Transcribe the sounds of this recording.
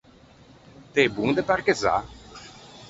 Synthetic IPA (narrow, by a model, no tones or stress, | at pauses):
t̪ebuŋd̪epaɾkeza̰